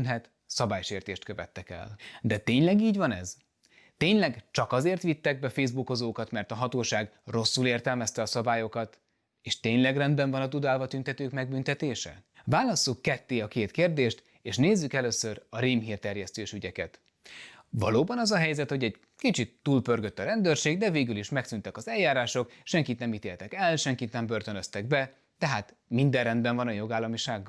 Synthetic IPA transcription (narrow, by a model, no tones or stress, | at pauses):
nɦɛt̪ | sɒbaːjʃeːrt̪eːʃt̪køvɛ̰t̪ːɛkɛ̰ld̪ɛt̪eːɲlɛɡiːɟvɒnɛz | t̪eːɲlɛɡt͡ʃɒkɒzeːrt̪ʋit̪ːɛɡ̚bɛfeːzbukozoːkɒt̪mɛrt̪ɒɦɒt̪oːʃaːɡro̞sːuleːrt̪ɛlmɛst̪ɛɒsɒbaːjo̞kɒt̪ | eːʃt̪eːɲlɛɡrɛnd̪bɛɱvɒnɒt̪ud̪aːlvɒt̪ynt̪ɛt̪øːkmɛɡbynt̪ɛt̪eːʃɛ̰ʋvaːlɒsːukːɛt̪ːeːɒkeːt̪keːrd̪eːʃt̪ | eːʃneːzːykɛløːsørɒɾiːmɦiːrt̪ɛrjɛst̪øːʃyɟɛkɛ̰t̪ | vɒ̰loːbɒnɒzɒɦɛjzɛt̪ho̞ɟɛɟ | kit͡ʃit̪ːuːlpørɡøt̪ːɒɾɛnd̪ørʃeːɡd̪ɛveːɡyliʃmɛksynt̪ɛkɒzɛljaːɾaːʃo̞kʃɛŋkit̪nɛmit̪eːlt̪ɛkɛlʃɛŋkit̪nɛmbørt̪ønøst̪ɛɡbɛ | t̪ɛɦaːt̪ | mind̪ɛrɛnd̪bɛɱvɒnɒjo̞ɡaːlːɒmiʃaːɡːɒ